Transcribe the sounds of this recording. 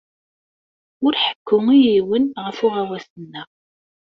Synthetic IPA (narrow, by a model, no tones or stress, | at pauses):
ʊɾħə̥kːʊŋijiwənʁəfʊʁæwæsənːəʁ